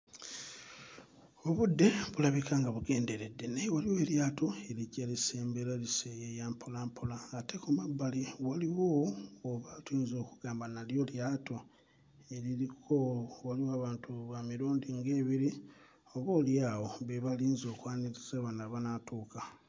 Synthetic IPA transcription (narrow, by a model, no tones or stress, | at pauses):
o̞βudːe̞βulaβikaŋɡaβuɡe̞ːnde̞ɾe̞dːe̞najwaliwe̞ːljaːtʰo̞e̞licelise̞ːmbeɾalisejejaːmpʰolaːmpʰolaɡatekumabːaliwaliwoːβatiːnzo̞ːkuɡ̥aːmbanaljo̞ljaːto̞ | e̞lilikowaliwoaːβaːntʰuβamiɾuːndiŋɡe̞ːβiɾi | o̞βoːljaːwo̞βeβaliːnzo̞ːkwaːniɾiz̥aβanaβanatʰuːka